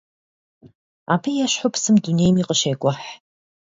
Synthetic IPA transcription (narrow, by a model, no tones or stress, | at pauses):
a̰ːpʰɐjɛɕħʊpʰsɨmdunejmiːqəʃejɡʷɔħ